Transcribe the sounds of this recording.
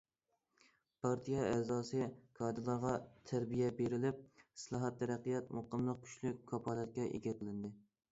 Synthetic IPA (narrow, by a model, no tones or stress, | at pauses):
pʰɑɾt̪ʰijɑɛzɑːsɨkʰɑːd̪ɨlˠɑɾʁɑt̪ʰæɾbijɛbeɾɪlɪp̚slˠɑːɦɑt̪ːʰæɾæqijɛt̪moqəmlˠəq̚kʲʰy̥ʃlykʲkʰːɑpʰɑːlˠɛt̪̚kʲɛʔḛɡʲɛt̪ʰəlˠɪnd̪ɪ